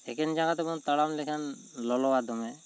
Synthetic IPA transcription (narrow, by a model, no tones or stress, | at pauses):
ɛkɛnd͡ʒaɡat̪ɛmɔnt̪aɽamlɛkʰanlɔlɔwad̪ɔmɛ